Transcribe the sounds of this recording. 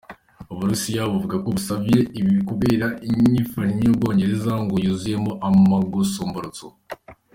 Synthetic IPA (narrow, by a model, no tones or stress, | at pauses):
uβuɾusijaβuvuɡakoβusavije̞iβikuβe̞ːɾaiɲifaniɲobɡo̞ːɲɟe̞ɾe̞zaŋɡojuzuje̞mo̞ʔamaɡusoːmboɾot͡so